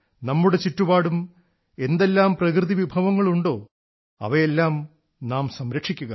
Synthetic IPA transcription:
nɐmːuɽe̞t͡ɕitːubaːɽum | e̞nd̪e̞lːaːmprɐkrɨðiʋibʱɐʋɐŋːɐɭuɳɖo̞ː | ɐ̰ʋɐjelːaːm | naːmsɐmɾɐkʂikʲːuɣɐ̰

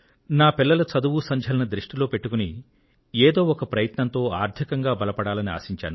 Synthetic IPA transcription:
naːpilːɐlɐt͡ʃɐd̪uʋusɐɲd͡ʒʱɐlɐnɐd̪ɾiʂʈilo̞ːpe̞ʈːukuni | eːd̪o̞ːɔkɐpɾɐjɐt̪nɐnt̪o̞ːaːɾd̪ʰʱikɐŋɡaːbɐlɐpɐɽaːlɐnia̰ːsiɲt͡ʃa̰ːnu

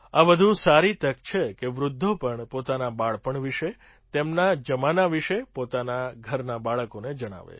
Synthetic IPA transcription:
aʋəd̪ʱũsaɾit̪əkt͡ʃʰekeʋɾʊd̪ʱːopəɳpot̪anabaɭpəɳʋiʃe | t̪emnad͡ʒəmanaʋiʃepot̪anaɡʱəɾnabaɭəkoned͡ʒəɽ̃a̰ʋḛ

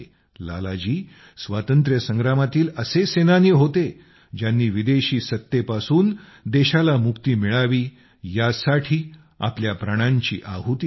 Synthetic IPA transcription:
la̰lad͡ʑiː | sʋat̪ənt̪ɾjəsə̃ŋɡɾamat̪iːləsesenanjəɦot̪e | d͡ʑjanːiːʋid̪eɕiːsət̪ːepasuːn | d̪eɕalamukt̪iːmiɭaʋiː | jasaʈʰiː | a̰pljapɾaɽ̃aɲt͡ɕḭːʔaɦut̪

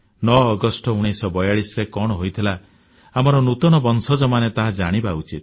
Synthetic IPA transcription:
nɔːɡɔsʈɔuɽ̃isɔbɔjaɽisɾekɔɽ̃ɔɦojt̪ʰila | amɔɾɔnut̪ɔñɔbɔnsɔd͡ʒɔmanet̪aɦad͡ʒaɽ̃ibaut͡ʃit̪̚

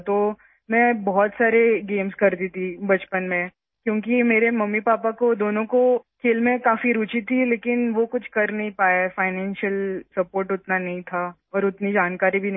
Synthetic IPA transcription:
t̪oː | mɛ̃ːbɔɦɔt̪saːɾeɡeːmskɐɾd̪iːt̪ibɐt͡ʃpənmẽ | kjõːk̬imeːɾemɐmːipaːpakod̪oːnõkokʰeːlmẽkaːfiɾuːt͡ʃit̪ʰileːkɪnʋokʊt͡ʃʰkɐɾnɐɦĩpaːjafaːɪnɛ̃ːnʃiəlsɐpoːɾʈʊt̪nanɐɦĩt̪ʰa | ɔːɾʊt̪nid͡ʒaːnkaːɾibʱin

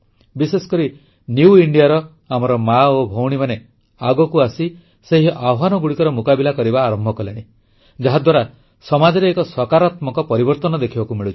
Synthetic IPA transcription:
bisesɔ̥kɔɾi | njuuiɳɖijaɾɔ | amɔɾɔmaobʱowɽ̃imane | aɡɔkuasi | seɦiʔabʱwanɔɡuɽikɔɾɔmukabilakɔɾibaːɾɔmbʱɔkɔleɽ̃i | d͡ʒaɦad̪waɾa | sɔmad͡ʒɔɾeːkɔsɔkaɾat̪mɔkɔpɔɾibɔɾt̪ɔnɔd̪ekʰibakumiɭut͡ʃʰi̥

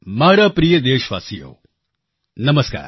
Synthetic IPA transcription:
maːɾapɾijəd̪eːʃʋa̰ːsijo̰ː | nɐməska̰ːɾ

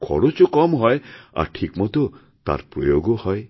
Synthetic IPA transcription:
kʰɔ̰ɾot͡ʃɔkɔmɦɔea̰ʈʰikmɔt̪o | t̪a̰ɾpɾɔ̰joɡɔhɔj

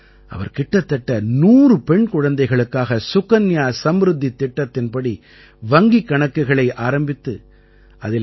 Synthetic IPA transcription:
ʔɐ̰ʋɐ̰ɾkɪʈːɐt̪ːɐʈːɐnuːrɯpɛɳkʊɻɐnd̪ɐɪɣɐɭɯkːaːɣɐsʊkɐnjaːsɐmɾɯd̪ːit̪ːɪʈːɐt̪ːɪnpɐɽi | ʋɐŋɡikːɐɳɐkːɯɣɐɭɐɪʔaːɾɐmbɪt̪ːɯ | ʔɐðɪ

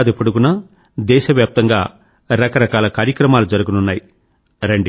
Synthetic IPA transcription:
d̪epoɽuɡunɐ | d̪ɛːʃɐʋjaːp̚t̪ɐŋɡaː | ɾɐkɐɾɐkaːlɐkaːɾjɐkɾɐmaːlud͡ʒɐɾuɡununːaːji | ɾeɳɖi

